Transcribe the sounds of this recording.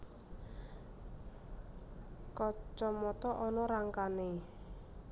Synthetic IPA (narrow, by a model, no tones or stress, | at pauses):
kɔt͡ʃɔmɔt̪ɔʔɔnɔɾaŋkane